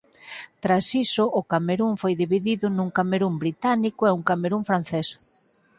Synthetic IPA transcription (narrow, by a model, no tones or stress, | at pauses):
t̪ɾasisʊʔːkameɾuɱfojðiβiðiðʊnuŋkameɾumbɾit̪anikʊɛuŋkameɾuŋfɾan̟θɛs